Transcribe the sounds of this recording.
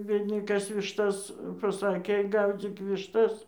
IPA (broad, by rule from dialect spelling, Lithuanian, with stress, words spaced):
ˈbʲiɛdʲnʲɪ ˈkɐs ʋʲɪʃˈtɐs pɐˈsɑːkʲeː ˈɡɐʊd͡zʲiːk ʋʲɪʃˈtɐs